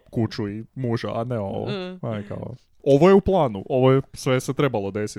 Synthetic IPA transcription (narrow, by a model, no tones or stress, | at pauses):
kut͡ʃuimuʒaʔaneo̞̰ʋo̰majka̰ko̰ | o̞ʋo̞jeuplˠaːnuʔo̞ʋojesʋeset̪ɾe̞balˠo̞d̪e̞si